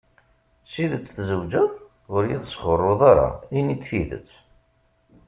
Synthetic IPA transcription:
siðət͡sːθzəwd͡ʒəðˤ | ʊɾjiðsχorˤːoðˤaɾˤa̰init͡s̪θiðə̰t͡sː

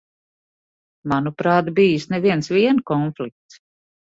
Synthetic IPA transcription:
manupɾaːt̪biːjisnɛviɛnsviɛnkɔnflik̚t̪s

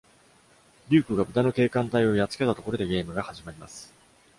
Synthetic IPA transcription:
ɾʲɨːkɯ̟ɡabɯ̟d̪ano̞ke̞ːkãnt̪aio̞jat͡sɨ̥ke̞t̪at̪o̞ko̞ɾo̞d̪e̞ɡʲe̞ːmɯ̟ɡahaʑimaɾʲima̰sɨ̥

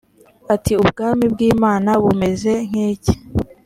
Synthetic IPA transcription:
atiubɡaːmibɡiːmaːnaβume̞ze̞ŋ̥heːce̥

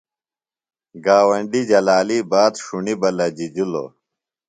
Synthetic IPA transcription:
ɡaːwɐɳɖid͡ʑɐlaːlibaːd̪ʂuɳibɐlɐd͡ʑid͡ʑilo̰

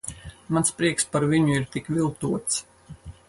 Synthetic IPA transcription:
manspɾiɛkspaɾviɲuiɾt̪ikvʲilˠt̪uɔt̪s

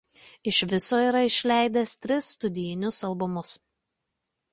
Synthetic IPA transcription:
ɪʃʲʋʲɪsoːiːˑɾɐɪʃʲlʲæˑɪd̪ʲɛst̪ʲɾʲɪsːt̪ʊd̪ʲɪjɪnʲʊsɐlˠbʊmʊs

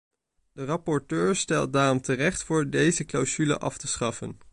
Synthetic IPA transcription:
dərɑpɔɹtøːɹstɛlˠt̚daːrɔmtərɛχtfʊːɹdejzəklawz̥ylə̰ʔɑftəsχɑfən

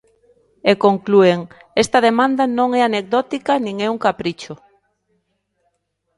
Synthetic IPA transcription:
ekoŋklueŋ | est̪ɐðemãnd̪anõŋɛanek̚ðɔt̪ikanĩŋɛuŋkapɾit͡ʃo

